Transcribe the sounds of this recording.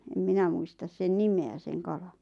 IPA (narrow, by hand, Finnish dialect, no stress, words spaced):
em minæ muistɑs sen nimeæ sen kɑlɑn̥